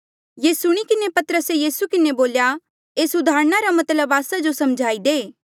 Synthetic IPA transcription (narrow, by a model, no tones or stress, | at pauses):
jeːsʊɽ̃ikɪnepɐt̪ɾəsejiːsukɪneboːlja | eːsʊd̪aːɾñaɾamɐt̪ləbaːsad͡ʒosɐmd͡ʒʱaːid̪eː